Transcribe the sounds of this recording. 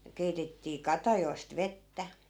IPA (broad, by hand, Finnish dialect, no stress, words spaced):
keitetːiː kɑtɑjoi̯st ʋetːæ